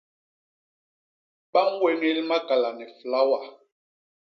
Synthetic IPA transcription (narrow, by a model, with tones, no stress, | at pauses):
ɓa˦ŋ˦we˦ŋi˦lma˦ka˨la˨nɛ˨fla˦wa˨